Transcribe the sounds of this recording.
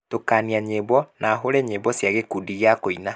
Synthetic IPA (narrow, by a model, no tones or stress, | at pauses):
tokaːniaɲeβwɔnaɦoɾɛɲeβɔsjaɣekudiɣeakoina